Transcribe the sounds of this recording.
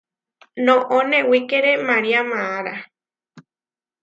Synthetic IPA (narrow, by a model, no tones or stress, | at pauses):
nõʔõnẽwikeɾemaɾiamãaɾa